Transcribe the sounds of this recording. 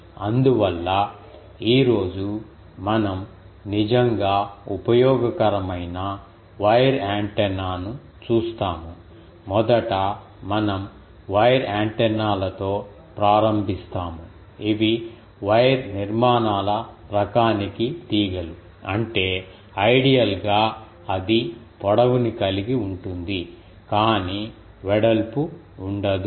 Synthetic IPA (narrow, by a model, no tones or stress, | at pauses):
ɐnd̪uʋɐlːɐ | iːɾo̞ːd͡ʒu | mɐnɐm | nid͡ʒɐŋɡaːupɐjɔːɡɐkɐɾɐmɐjnɐ | ʋɐjɐɾaːɳʈɛnːaːnu | t͡ʃuːst̪aːmu | mɔd̪ɐʈɐ | mɐnɐm | ʋɐjɐɾaːɳʈɛnːaːlɐt̪o̞ː | pɾaːɾɐmbʱist̪aːmu | iʋi | ʋɐjɾniɾmaːnaːlɐɾɐkaːnikit̪iːɡɐlu | ɐɳʈe̞ː | ɐjɽijɐlɡaː | ɐd̪ip̪ɔɽɐʋunikɐliɡiuɳʈund̪i | kaːni | ʋɛɽɐlpu | uɳɖɐd̪u